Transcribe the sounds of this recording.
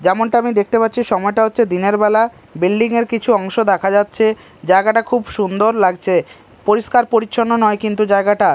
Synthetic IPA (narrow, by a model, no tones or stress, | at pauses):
d͡ʑɛmoɳʈaamid̪ek̚t̪epatːɕʰiʃɔmɔeʈaɦotːɕʰed̪ineɾbɛla | bilɖiŋeɾkit͡ɕʰuɔŋʃod̪ɛkʰad͡ʑatːɕʰe | d͡ʑaeɡaʈakʰubʃund̪oɾlaɡt͡ɕʰe | poɾiʃkaɾpoɾiːɕʰonːonɔekint̪ud͡ʑaeɡaʈa